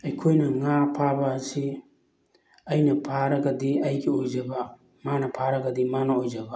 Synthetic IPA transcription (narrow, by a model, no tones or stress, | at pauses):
ɐjkʰojnɐŋapʰabaːsi | ɐjnɐpʰaɾɐɡɐdiɐjɡiojd͡ʒɐba | manɐpʰaɾɐɡɐdimanɐojd͡ʒɐba